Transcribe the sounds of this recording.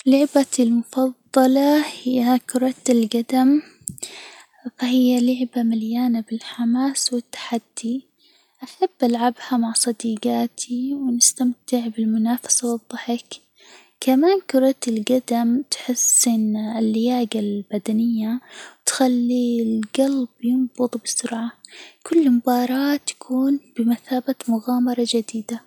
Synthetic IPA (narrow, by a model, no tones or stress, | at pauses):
lʊʕbalmʊfɑðˤːɑlɑhɪjːakʊɾˤɑt̪ɪlɡad̪am | fahɪjːalʊʕbamaljaːnabɪlħamaːswɪt̪ːḁħad̪̥ːi | ʔaħabːʔalʕabhamaʕsˤɑd̪iːɡaːt̪ʰiwɪnɪst̪amt̪ɪʕbɪlmʊnaːfḁsawɨðˤːɑħɪk | kamaːnkʊɾˤɑt̪ɪlɡad̪amt̪ħɪsɪnɪlːɪjaːɡalbad̪anɪjːawt̪xalːilɡalbjɪmb̥ʊðˤbɪsʊɾʕakʰʊlːmʊbɑːɾˤɑːt̪ːḁkʰuːnb̥ɪmaθaːbat̪mʊɣaːmɑɾˤɑd͡ʒad̪iːd̪a